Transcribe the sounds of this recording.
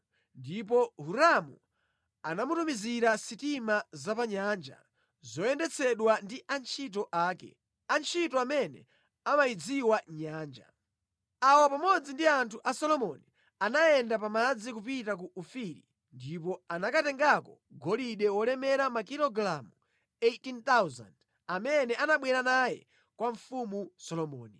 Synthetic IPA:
ndip̬ɔɦuɾamṵ | anamutumiziɾasitimazapaɲaːnd͡ʒa̰ | zɔɛndɛt͡sʰɛɗwandiʔant͡ʃʰit̬ɔʔaːkɛ̰ | ant͡ʃʰitɔamɛnɛ | amaid͡ziwaɲaːnd͡ʒa̰ | awɔpamɔd͡zindiantʰuʔasɔlɔmɔni | anajɛndapamad͡zikupitak̬uʔufiɾḭ | ndipɔanakatɛŋɡakɔ | ɡɔliɗɛwɔlɛmɛɾamakiɾɔɡlamu | etint̪awza̰nd | amɛnɛanaɓwɛɾanajɛ̰ | kwaɱfumusɔlɔmɔːni

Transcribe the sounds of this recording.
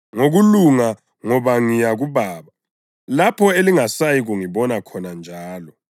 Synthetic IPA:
ŋoɣuluŋa | ŋɔβaŋijaɣuβaːβa | lapʰɔeliŋasajiɣuŋiβɔnakʰɔnand͡ʒʱaːlɔ

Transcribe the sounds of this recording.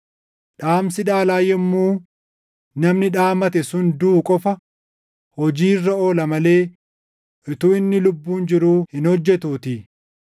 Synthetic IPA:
ᶑaːmsɪᶑaːlaːjɛmːuː | nɐmnɪᶑaːmɐt̪ɛsʊnd̪uːkʼɔfɐ | hɔd͡ʒiːrːɐo̞ːlɐmɐle̞ː | ʔɪt̪uːɪnːɪlʊbːuːnd͡ʒɪɾuːhɪnhɔd͡ʒːɛt̪uːt̪ɪ

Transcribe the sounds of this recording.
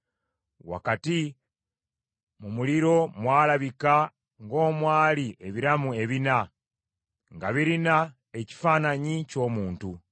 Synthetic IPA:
wa̰kati | mumuliɾo̞mwaːlaβika | ŋɡo̞ːmwaːliʔe̞βiɾamue̞βina | ŋɡaβiɾina | e̞ci̥faːnaɲico̞ːmuːntu

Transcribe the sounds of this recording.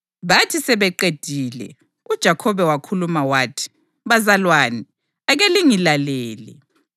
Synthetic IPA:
βatʰisɛβɛǃed̥ʱiːlɛ̰ | ud̥ʒ̥ʱakʰɔβɛwakʰulumawaːtʰi̥ | βazalwaːni | aɣeliŋilalɛːlɛ̰

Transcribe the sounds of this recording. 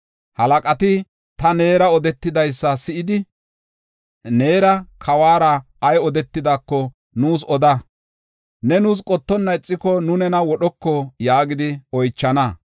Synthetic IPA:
hɐlɐkʼɐt̪ɪ | t̪ɐne̞ːɾɐɔd̪ɛt̪ːɪd̪ɐjsːɐsɪʔɪd̪ɪ | ne̞ːɾɐkʰɐwaːɾɐ | ɐjɔd̪ɛt̪ːɪd̪akːɔ | nuːs̬ɔd̪ɐ | nɛnuːs̬kʼɔt̪ːɔnːɐɪt͡sʼːɪkɔnʊnɛnɐwɔɗɔkːɔjaːɡɪd̪ɪɔjt͡ʃːɐnɐ

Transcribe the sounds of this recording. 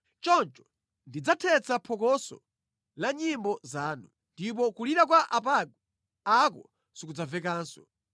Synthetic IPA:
t͡ʃɔnt͡ʃɔ̥ | ndid͡zatʰɛt͡sapʰɔkɔsɔ̰ | laɲimbɔzaːnu | ndip̬ɔkuliɾak̬waʔap̬aɡu | akɔ | sikud͡zavɛkaːnsɔ̥

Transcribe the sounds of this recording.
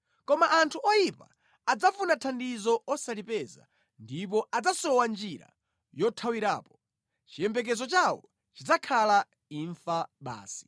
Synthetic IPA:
kɔmaʔantʰuʔɔjipa̰ | ad͡zafunatʰandizɔɔsalipɛza̰ | ndip̬ɔʔad͡zasɔwand͡ʒiɾa̰ | jɔtʰawiɾa̰ːpɔ̥ | t͡ʃijɛmbɛk̬ɛzɔt͡ʃawɔ | t͡ʃid͡zakʰala | iɱfaɓa̰ːsi̥

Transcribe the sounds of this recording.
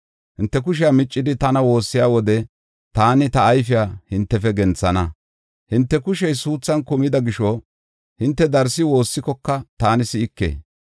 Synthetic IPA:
hɪnt̪ːɛk̬ʊʃɪjamɪt͡ʃʼːɪd̪ɪt̪ɐnɐwo̞ːsːɪjaːwɔd̪ɛ | t̪aːnɪt̪ɐːjfɪjaːhɪnt̪ːɛfɛɡɛnt͡sːɐnɐ | hɪnt̪ːɛkʊʃɛjsuːt͡sːɐnkʊmɪd̪ɐɡɪʃɔ | hɪnt̪ːɛd̪ɐɾsɪwo̞ːsːɪkɔkːɐt̪aːnɪsɪɪkːḛː

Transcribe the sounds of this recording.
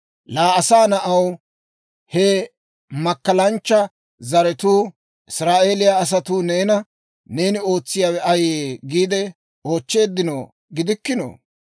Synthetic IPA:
laːɐsaːnɐʔɐw | hɛ | mɐkːɐlɐnt͡ʃːɐ | zɐɾɛt̪uː | ʔɪsɾaːʔe̞ːlɪjaːs̬ɐt̪uːneːnɐ | ne̞ːnɪo̞ːt͡sːɪjaːwɛʔɐjeɡiːd̪ɛ | o̞ːt͡ʃːe̞ːd̪ːɪno | ɡɪd̪ɪkːɪno̰ː

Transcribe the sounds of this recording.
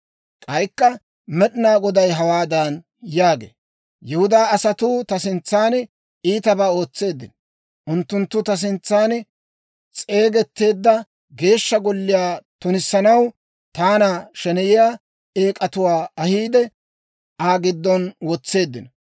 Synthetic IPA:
kʼɐjkːɐ | mɛɗɪnaːɡɔd̪ɐjɦɐwaːd̪ɐn | jaːɡḛː | jɛhʊd̪aːɐsɐt̪uːt̪ɐsɪnt͡sːaːn | iːt̪ɐbaːo̞ːt͡sːe̞ːd̪ːɪn | ʔʊnt̪ːʊnt̪ːʊt̪ɐs̬ɪnt͡sːaːn | t͡sʼe̞ːɡɛt̪ːe̞ːd̪ːɐ | ɡe̞ːʃːɐɡɔlːɪjaːt̪ʊnɪsːɐnɐw | t̪aːnaːʃɛnɛjɪjaː | e̞ːkʼɐt̪ʊwaːɐhiːd̪ɛ | aːɡɪd̪ːɔnwɔt͡sːe̞ːd̪ːɪnɐ

